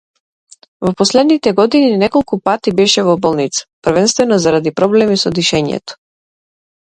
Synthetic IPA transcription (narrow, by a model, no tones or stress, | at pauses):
vɔpɔslɛd̪nit̪ɛɡɔd̪ininɛkɔlˠkupat̪ibɛʃɛvɔbɔlˠnit̪sḁprvɛnst̪vɛnɔzaɾad̪ipɾɔblɛmisɔd̪iʃɛɲɛ̰t̪ɔ̥